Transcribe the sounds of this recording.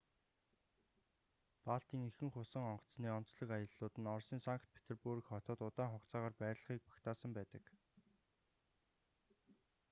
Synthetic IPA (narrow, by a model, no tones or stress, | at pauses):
paɬt̪iːŋexɘ̆ŋχʊsə̆ŋɔɴɢɞ̥̆t͡sniːɔn̥t͡sɮɞ̆kajə̆ɮːʊːt̪ɘ̆nɔrsiːŋsaŋkt̪̚pʰe̥t̪ʰerpurkχɔt̪ɔːt̪ʊt̪aːŋχɔkt͡saːʁaːrpæːɾ̆ʲɮə̆χiːk̚pḁkt̪ʰaːsə̆mpæːt̪ə̆k